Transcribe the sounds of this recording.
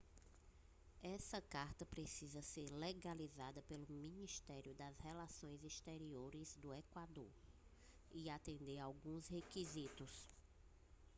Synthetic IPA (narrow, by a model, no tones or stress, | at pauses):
ɛsɐkaɾt̪ɐpɾesizɐseɾleɡalizad̪ɐpelʊmĩnist̪ɛɾjʊd̪ɐzhɛlasõj̃zist̪eɾioɾɪzd̪ʊekwad̪oɾ | iat̪ẽnd̪eɾawɡũshekizit̪ʊs